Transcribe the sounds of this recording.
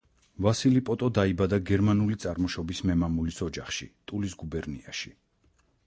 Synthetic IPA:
vasilipʼɔt̪ʼɔd̪aibad̪aɡɛɾmanulit̪sʼaɾmɔʃɔbismɛmamulisɔd͡ʒaχʃḭt̪ʼulisɡubɛɾnḭaʃi

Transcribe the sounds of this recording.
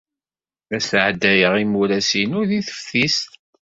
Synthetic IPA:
ðæsʕd̪ːæjəʁimuɾæsinʊɾðiθə̥fθis

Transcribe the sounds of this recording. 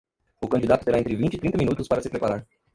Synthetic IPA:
ʊkɐnd͡ʒid̪at̪ʊ̥t̪eɾaẽnt̪ɾɪvint͡ʃit̪ɾĩnt̪əminut̪uspaɾɐsɪpɾepaɾaɾ

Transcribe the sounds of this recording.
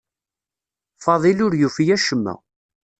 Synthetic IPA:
fɑðˤilʊɾjufijæʃəmːæ̰

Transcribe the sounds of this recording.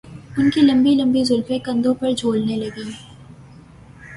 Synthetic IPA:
ʊnkilɐ̃mbilɐ̃mbizʊlfekɐ̃nd̪õpɐɾd͡ʒʱoːlnelɐɡiː

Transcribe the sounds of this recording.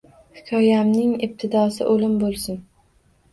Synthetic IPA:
hɪkʲʰɒjamnɪŋɪb̚t̪ʰɪd̪ɒsɪ̰ʔolɪmbolˠsɪn

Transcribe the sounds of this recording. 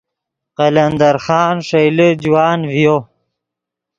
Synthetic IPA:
qɐlɐnd̪ɐɾxɑːnʂɐjləd͡ʑwɑːnvijo

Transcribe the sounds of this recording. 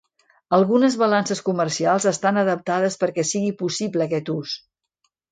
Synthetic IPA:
əlˠɣunəzβəlansəskuməɾsialˠzəst̪anəðəp̚t̪að̞əspəɾkɛsiɣipusibləːkɛt̪us

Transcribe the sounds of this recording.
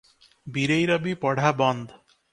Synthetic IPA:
biɾejɾabipɔɽ̤ʱabɔnd̪

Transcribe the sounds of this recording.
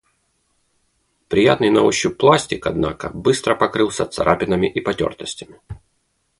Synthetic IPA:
pɾʲɪjat̪nɨjnɐuɕːʊpːlˠasʲtʲɪkɐd̪nakə̰bɨst̪ɾəpɐkɾɨlˠsʲət̪sɐ̰ɾʔapʲɪnəmʲɪʔipɐtʲo̞̰rt̪əsʲtʲɪmʲɪ

